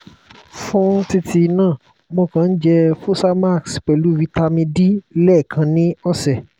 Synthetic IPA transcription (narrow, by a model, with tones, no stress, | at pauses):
fũ˦n̩˦ti˧tʰi˧nãː˦˨ | mõ˧kã˧n̩˦d͡ʒɛ˧fu˦sa˦ma˦˨ksk͡pɛ˨lu˨˦˨wi˧ta˧mĩ˧di˦lɛː˦˨kʰã˧nĩ˦ɔ˦˨sɛ˨